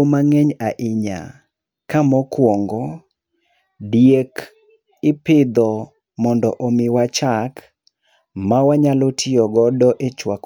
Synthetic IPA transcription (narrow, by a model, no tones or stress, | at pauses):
maŋɛɲaʔɪɲa̰ | kamɔkwɔŋɡɔ | dijek | ɪpɪd̪ɔ | mɔndɔʔomɪwat͡ʃak | mawaɲalotʰɪɔɡɔdɔʔet͡ʃwak